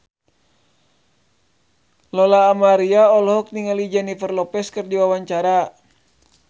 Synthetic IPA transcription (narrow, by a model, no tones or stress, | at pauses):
lɔlaːmaɾiaɔlɦɔk̚niŋalid͡ʒɛnifərlɔpɛskərdiwawaɲt͡ʃaɾa